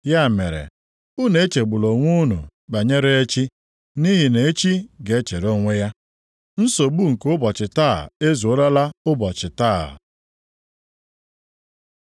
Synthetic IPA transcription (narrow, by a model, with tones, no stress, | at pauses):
ja˦˨me˨ɾḛ˨ | u˦ne˨˦t͡ʃe˨ɡ͡bʊ˨lo˨ŋʷu˦nṵ˨ɡ͡ba˨ɲe˦ɾe˦e˦t͡ʃi˦ | ni˦ɦi˨ne˨e˦t͡ʃi˦ɡe˨˦t͡ʃe˨ɾo˦ŋʷe˦ja˦ | n̩˦so˨ɡ͡bu˦˨ŋ̩˨kʊ˦bɔ˨t͡ʃɪ˨ta̰˦˨e˦zu˨o˦ɾa˦la˦ʊ˦bɔ˨t͡ʃɪ˨taː˦˨